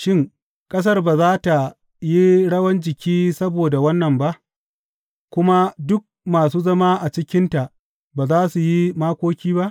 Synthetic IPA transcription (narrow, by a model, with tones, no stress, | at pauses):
ʃɪ˦ŋ | kʼɐ˦s̬ɐ˦rbaː˨zaː˦ta˨ | ji˦ɽɐ˦wɐ˦nd͡ʒɪ˨kʲiː˦sɐ˦boː˨da˨wɐ˦nːɐ˨mba˦ʔ | kʷʊ˦ma˦dʊ˦k̚maː˨suː˦zɐ˦ma˦ʔa˨t͡ʃɪ˦kʲɪ˦nta˨ʔ | baː˨zaː˦su˨ji˦maː˦kʷoː˦kʲiː˦ba˦ʔ